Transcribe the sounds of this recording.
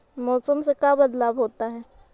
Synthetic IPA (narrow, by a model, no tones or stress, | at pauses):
mɔːsəmsekabɐd̪laːbɦoːt̪aɦɛː